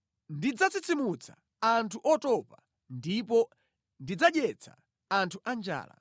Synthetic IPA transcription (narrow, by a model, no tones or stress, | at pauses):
ndid͡zat͡sit͡sʰimut͡sʰa | antʰuʔɔtɔpa | ndip̬ɔ | ndid͡zaɗɛt͡sʰa̰ | antʰuʔand͡ʒa̰ːla̰